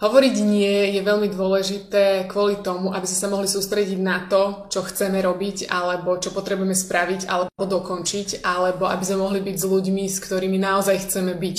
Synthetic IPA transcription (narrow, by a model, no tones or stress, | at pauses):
ɦɔʋɔɾiɟɲɪɛjɛʋɛʎmid̪ʊɔlɛʒit̪ɛːkʋʊɔlit̪ɔmuʔabizmɛsamɔɦlisuːst̪ɾɛɟiɟnat̪ɔt͡ʃɔxt͡sɛmɛɾɔbicalɛbɔt͡ʃɔpɔt̪ɾɛbujɛmɛspɾaʋica̰lɛbɔd̪ɔkɔnt͡ʃicʔalɛbɔʔa̰bizmɛmɔɦlibiɟzluɟmiskt̪ɔɾiːminaɔzajxt͡sɛmɛbic